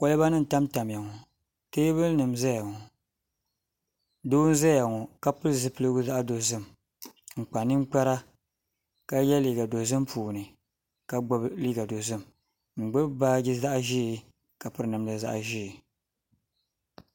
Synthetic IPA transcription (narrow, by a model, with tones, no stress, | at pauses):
ko˦lɛ˦ba˦nɨ˦n̩˨ta˦mta˨m˨a˨ŋɔ˨ | teː˦bɨ˦lnɨ˨mza˦ja˨ŋɔ˨ | doː˦n̩˦za˦ja˨ŋɔ˨ka˦pʊ˦ɾzɨ˨pɨ˦lɨ˦ɡu˦za˦ʔa˦do˨zɨ˦m | ŋ̩˨k͡pa˨nɨ˦ŋ͡mk͡pa˦ɾa˦ | ka˦jɛ˦li˨ɡa˨do˨zɨ˦mpuː˨nɨ˨ | ka˨ɡ͡bʊ˦bliː˦ɡa˨do˨zɨ˦m | ŋ͡m̩˨ɡ͡bʊ˦bbaː˦d͡ʒi˦za˦ʔʒiː˦ | ka˨pʊ˦ɾnɨ˨mda˨za̰˦ʔa̰˨ʒi˦˨